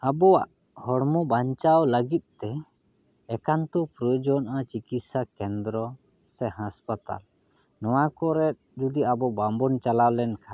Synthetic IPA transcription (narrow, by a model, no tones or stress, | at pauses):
abɔwa̰ʔ | hɔɽmɔbaɲt͡ʃawləɡit̪̚ˀt̪ɛ | ɛkant̪ɔpɾɔjɔd͡ʒɔnʔat͡ʃikit̪sakɛnd̪ɾɔ | sɛɦaspat̪a̰l | nɔwakɔɾɛt̪̚d͡ʒud̪iabɔbambɔnt͡ʃalawlɛnkʰa